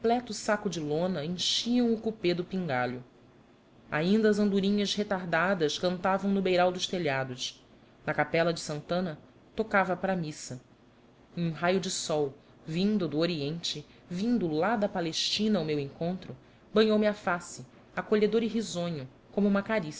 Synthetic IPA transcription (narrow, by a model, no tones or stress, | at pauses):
plɛt̪ʊsakʊd͡ʒɪlõnɐẽj̃ʃiɐ̃w̃ʊkuped̪ʊpĩŋɡaʎʊ | a̰ĩnd̪ɐːzɐ̃nd̪uɾĩɲɐshet̪aɦd̪ad̪ɐskɐ̃nt̪avɐ̃w̃nʊbejɾawd̪ʊʃt̪eʎad̪ʊʃ | nɐkapɛlɐd͡ʒɪsɐ̃nt̪ɐ̃nɐ | t̪okavɐpɾɐːmisɐ̃ | ũɦajʊd͡ʒɪsɔw | vĩnd̪ʊd̪ʊoɾiẽnt͡ʃɪ | vĩnd̪ʊlad̪ɐpaleʃt͡ʃĩnɐawmewẽŋkõnt̪ɾʊ | bɐ̃ɲowmɪafasɪ | akoʎed̪oɾɪɦizõɲʊ | kõmʊũmɐkaɾis